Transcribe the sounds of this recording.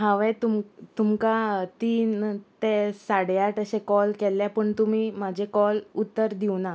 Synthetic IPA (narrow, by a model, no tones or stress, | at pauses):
ɦãʋet̪umt̪umkat̪iːnt̪esaɽjaʈəɕekɔlkɛlːjapəɳt̪um̤iːmad͡ʑʱekɔlut̪ːəɾd̪iʋna